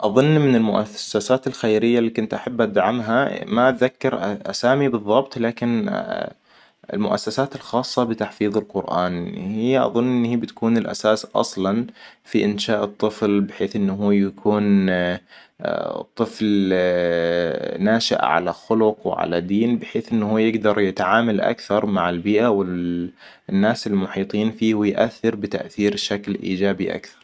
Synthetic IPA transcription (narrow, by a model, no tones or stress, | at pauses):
ʔɑðˤʊnːmɪnɪlmʊʔasːasaːt̪ɪlxajɾɪjːalːiːkʊnt̪ʔaħabːʔad̪ʕamɦamaʔt̪ðakːɑɾʔʔa̰saːmibɨðˤːɑbt̪ˤlaːkɪn | ɪ̰lmʊʔa̰sːasaːt̪ɪlxɑːsˤːɑbɪt̪aħfiːðˤɪlqʊɾʔa̰ːnhɪjːʔɑ̰ðˤʊnːʔɪnːhiːbɪt̪kuːnɪlʔa̰saːsʔɑ̰sˤlɑnfiʔɪnʃaːʔɨt̪ˤːɨflbɪħeːθʔɪnːɦuːjakʰuːn | t̪ˤːɨfl | naːʃɪ̰ʔʕa̰la̰xʊlʊqwɪ̰ʕa̰la̰d̪iːnbɪħeːθʔɪnːhuːjɪɡd̪ɑɾˤjɪt̪ʕaːmalʔa̰kθɑɾˤmaʕɪlbiːʔawɪ | nːaːsɪlmʊħiːt̪ˤiːnfiːhujʔa̰θːɪɾbɪt̪a̰ʔθiːɾʃaklʔḭːd͡ʒaːbiʔa̰kθɑ̥ɾˤ